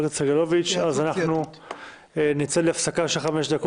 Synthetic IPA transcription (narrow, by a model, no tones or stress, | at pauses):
ɡt͡seɡelovit͡ʃazanaχnu | nit͡seleafsakaʃelχame̞ʃd̪ako